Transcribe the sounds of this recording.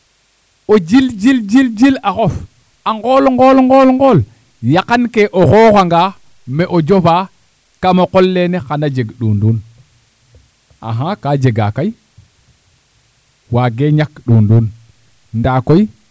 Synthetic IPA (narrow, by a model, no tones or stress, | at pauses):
od͡ʒild͡ʒild͡ʒild͡ʒilaxof | aŋɡolŋɡolŋɡolŋɡol | jakankeʔoxoːxaŋɡa | mɛʔod͡ʒofaː | kamakolːenexanad͡ʒeɡɗuːnduːn | a̰ɦãkad͡ʒeɡa̰kaj | waɡeɲakɗuːnduːn | ndaːkoj